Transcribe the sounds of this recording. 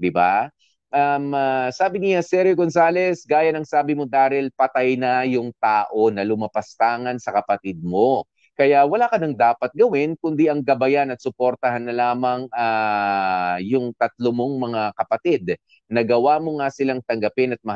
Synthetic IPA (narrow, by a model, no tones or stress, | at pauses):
d̪ɪba̰ | ʔamasaːbɪnɪɐsɛɾɛɡonsaːlɛsɡaːjɐnɐŋsaːbɪmod̪aːhɪlpɐt̪ajnɐjʊŋt̪aːʔo̞nɐlʊmɐpɐst̪aːŋɐnsɐkɐpɐt̪id̪̚mo̞ | kɐjawɐlaːkɐnɐŋd̪aːpɐt̪̚ɡɐwɪnkʊnd̪iʔɐŋɡɐbɐjanɐt̪̚sʊpoɾt̪ɐhanːɐlaːmɐŋa | jʊŋt̪ɐt̪̚lomoŋmɐŋakɐpɐt̪id̪̚ | nɐɡɐwaːmo̞ŋasɪlaŋt̪ɐŋɡɐpɪnɐt̪̚mɐh